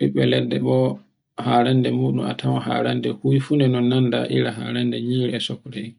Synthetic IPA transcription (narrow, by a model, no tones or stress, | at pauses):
ɓiɓɛlɛdːɛɓɔ | haːɾandɛmuːɗuma̰tʰawaha̰ːɾandɛhujfunɛnɔnːanda̰ʔḭɾaha̰ːɾandɛɲiːɾɛɛsɔkɾɛ